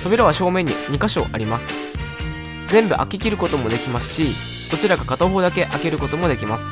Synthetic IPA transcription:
t̪obʲiɾaβaɕo̞ːmẽ̞ɲ̟ːiɲ̟ikaɕo̞̰ːʔaɾʲimasɨ̥ | zẽ̞mbɯ̟ʔa̰kʲikʲiɾɯ̟ko̞t̪o̞mo̞d̪e̞kʲimasɨ̥ɕi | d̪̥o̞t͡ɕiɾaɡakat̪oɦo̞ːd̪ake̞ʔake̞ɾɯ̟ko̞t̪o̞mo̞d̪ekʲimasɨ̥

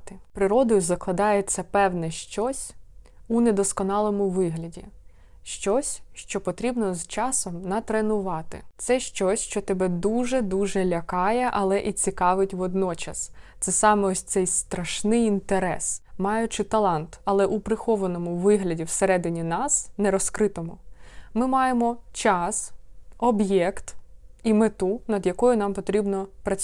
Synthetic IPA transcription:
t̪ɪpɾɪɾɔd̪ɔjʊzɐklˠɐd̪ɑjet͡sʲːɐpɛwnɛʃt͡ʃɔsʲ | uned̪ɔskɔnɑlˠɔmʊʋɪɦlʲɐdʲi | ʃt͡ʃɔsʲʃt͡ʃɔpɔt̪ɾʲibnɔzt͡ʃɑsɔmnɐt̪ɾenʊʋɑt̪ɪ̰t̪sɛʃt͡ʃɔsʲʃt͡ʃɔt̪ɛbɛd̪uʒɛd̪uʒɛlʲɐkɑjɛʔɐlˠɛʔit͡sʲikɑʋɪtʲʋɔd̪nɔt͡ʃɐst̪sɛsɑmɛɔsʲt̪sɛjst̪ɾɐʃnɪjint̪eɾɛ̰smɑjʊt͡ʃɪt̪ɐlˠɑnt̪ɐlˠɛʔupɾɪxɔʋɐnɔmʊʋɪɦlʲɐdʲiwseɾɛd̪ɪnʲinɑsnɛɾɔskɾɪt̪ɔmʊmɪmɑjemɔt͡ʃɑsɔbjɛkt̪imɪt̪unɐd̪jɐkɔjʊnɑmpɔt̪ɾʲibnɔpɾɐt͡sʲ

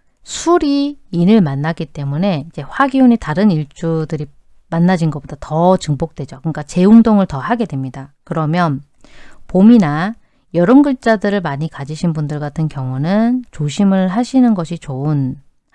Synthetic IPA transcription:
sʰuɾiːnɯɭmanːaɡit͈e̞mune̞id͡ʑe̞ɸwaɡionitaɾɯniɭt͡ɕ͈udɯɾi | manːad͡ʑinɡʌpod̥atʌt͡ɕɯŋbok̚t͈we̞d͡ʑokɯnk͈at͡ɕe̞uŋdoŋɯɭtʌhaɡe̞dwe̞mɲidakɯɾʌmjʌn | pomina | jʌɾɯnɡɯɭt͡ɕ͈adɯɾɯɭmaɲikad͡ʑiɕʰinbundɯɭɡatʰɯnkjʌŋunɯnt͡ɕoɕʰimɯɭɦaɕʰinɯnɡʌɕʰit͡ɕoɯn

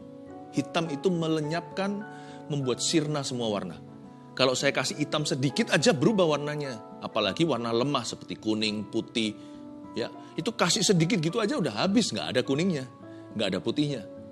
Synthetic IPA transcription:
hit̪amit̪umələɲap̚kan | məmbuat̪̚sirnasəmuawa̰rna̰ | kalawsajakasɪɦit̪amsədikɪt̪ad͡ʒabəɾubahwarnaɲa | apalaɡiwarnaləmahsəpərt̪ikunɪŋput̪ɪh | ja̰ | it̪ukasɪsədik̬ɪt̪̚ɡit̪uad͡ʒaudaɦɦabɪsŋɡa̰ːdakunɪŋɲa | ŋɡaːdaput̪ihɲa

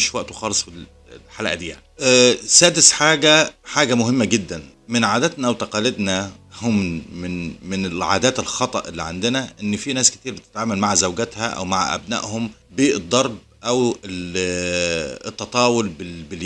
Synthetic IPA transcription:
ʃwæʔt̪uxɑːlesˤfil | lħalæ̰ʔæd̪iːja̰ʕniʔsæːd̪ɪsħaːɡæħaːɡæmʊɦɪmːæɡɪd̪ːæn | mɪnʕaːd̪æt̪næwt̪ɑqɑːlɪd̪næ | hommɪnmɪnelʕa̰ːd̪æːt̪elxɑt̪ˤɑʔelːiʕand̪ɪnæʔenːfinæːskɪ̥t̪iːɾbet̪ɪ̥t̪ʕaːmælmaʕzæwɡæt̪hæʔæ̰wmaʕʔæ̰bnæ̰ːʔhombiːʔɨd̪ˤːɑɾˤb̚ | ʔæwe | t̪ːɑt̪ˤɑːwolbɪbɪl

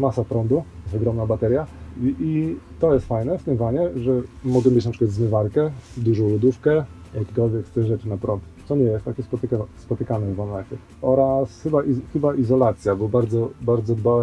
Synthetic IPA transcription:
masapɾɔnd̪ust̪ɔɡɾɔmnabat̪ɛɾʲjait̪ɔjɛst̪fajnɛft̪ɘmvaɲɛʐɛmɔɡɛmʲjet͡ɕnapʂɘkwat̪zmɘvaɾkɛd̪uʐɔ̃w̃lud̪ufkɛ | jakʲekɔlvʲjɛkst̪ɛɣʐɛt͡ʂɘnapɾɔnt̪sɔɲɛjɛst̪ːakʲɛspɔt̪kaspɔt̪ɘkanɛvamɛkʲɛ | ɔɾasxɘbaʔixɘbaʔizɔlat̪sʲjabɔbaɾd̪zɔbaɾd̪zɔd̪bawɛ

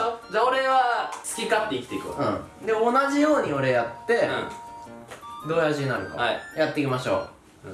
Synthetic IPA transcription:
od͡ʑao̞ɾe̞βat͡sɨ̥kʲikat̪ːe̞ikʲi̥t̪e̞ikɯõ̰ | d̪e̞o̞naʑijo̞ːɲ̟io̞ɾe̞jat̪ːe̞ | d̪o̞ːjaʑiɲinaɾɯ̟ka̰jat̪ːe̞ikʲimaɕo̞̰ː

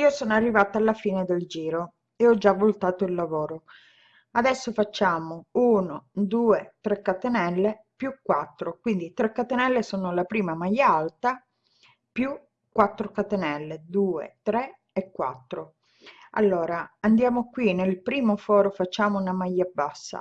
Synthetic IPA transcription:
iːosoːnoarːivaːt̪aalːafiːned̪eld͡ʒiːɾo | eɔd͡ʒːavolut̪aːt̪oilːavoːɾo | ad̪ɛsːofat͡ʃːaːmouːnod̪uːet̪ɾekːat̪enɛlːe | pjukːwat̪ːɾokwind̪it̪ɾekːat̪enɛlːesoːnolapɾiːmamajːaalt̪a | pju | kːwat̪ːɾokat̪enɛlːed̪uːḛt̪ɾe | ekːwa̰t̪ːɾo | a̰lːoːɾaand̪jaːmokwinelpɾiːmofɔːɾofat͡ʃːaːmounamajːabasːa̰

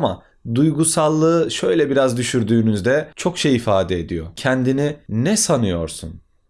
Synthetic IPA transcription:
ama̰ | d̪ujɡusalˠːɯɯʃø̞jlʲɛbiɾazd̪yʃyɾd̪yːnyzd̪ɛt͡ʃʰo̞kʃejifaːd̪ɛed̪ḭjo̰cʰɛnd̪ininɛsanɯjo̞̰ɾsṵn

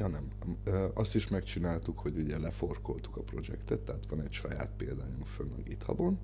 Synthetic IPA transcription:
ɒnɛm | øɒst̪iʃmɛkt͡ʃinaːlt̪ukho̞ɟuɟɛlɛfo̞rko̞lt̪u̥kɒpro̞d͡ʒɛ̰kt̪ɛt̪ːɛɦat̪ʋɒnɛcʃɒja̰ːt̪peːld̪aːjufønːɒ̰ɡit̪ʰɒ̰bo̞n

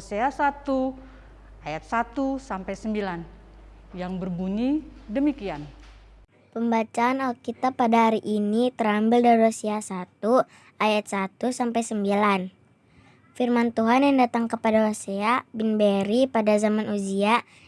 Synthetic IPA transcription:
seasat̪u | ajat̪̚sat̪usampajsəmbilan | jaŋbərbuɲidəmikian | pəmbat͡ʃaːnalkit̪apːadaɦaɾiʔinit̪əɾambɪldarɾosiasat̪u | ajat̪̚sat̪usampajsəmbilan | firmant̪uɦanjaŋdat̪aŋkəpadaɾoseabinbeɾipadazamanuzia

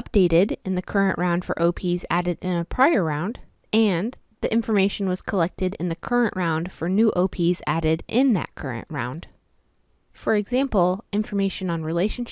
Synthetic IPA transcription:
ʌp̚d̥eɪɾɪɾɨ̃nðɨkʰɜ˞ɨ̃nʔɹãʊ̃nd̥fə̰˞ʔoʊpʰizæ̰ɾɨɾɪ̃nɨpʰɹ̥aɪə˞ɹãʊ̃nd | ɨ̃n | ðiʔɪ̃ɱfə˞meɪʃn̩wʌz̥kʰəlɛk̚tɨɾɨ̰̃nðɨkʰɜ˞ɨ̃nʔɹãʊ̃nd̥fə˞nʉʔoʊpʰizæɾɪɾʔɪ̃nðɨ̰t̚kʰɜ̰˞ɨ̰̃nʔɹã̰ʊ̃nd̥ | fə˞ɨɡzæ̃mpl̩ˠɪ̃ɱfə˞meɪʃɨ̃nə̃nɹileɪʃɨ̃n̩ʃ

